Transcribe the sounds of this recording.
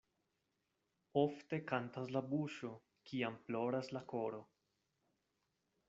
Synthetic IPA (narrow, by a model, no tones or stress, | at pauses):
o̞fte̞kantaslabuʃo̞ | kʰiamplo̞ɾaslako̞ɾo̞